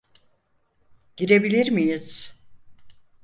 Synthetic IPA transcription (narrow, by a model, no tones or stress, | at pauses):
ɟiɾe̞bilʲiɾmijiz̥